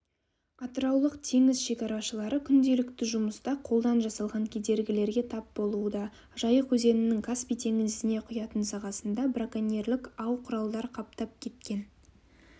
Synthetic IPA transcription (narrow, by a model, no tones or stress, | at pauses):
ɑt̪əɾɑwlˠəqt̪ʰe̞ŋɪzʃe̞kʲɑɾɑʃəlˠɑɾəkʲʰʏnd̪e̞lɪkt̪ɪʒʊməst̪ɑqʰo̞lˠd̪ɑnʒɑsɑlˠʁɑŋkʲʰe̞d̪e̞ɾɡʲɪle̞ɾɡʲe̞t̪ʰɑp̚bo̞lˠuəd̪ɑ | ʒ̥ɑjəqʰɵze̞nɪnɪŋkʰaspijt̪ʰe̞ŋɪzɪne̞qʰʊjɑt̪ənsɑʁɑsənd̪ɑbrakanʲerlɪkɑwqʰʊɾɑlˠd̪ɑɾqʰɑpt̪ɑp̚kʲʰe̞t̪̚kʲe̞n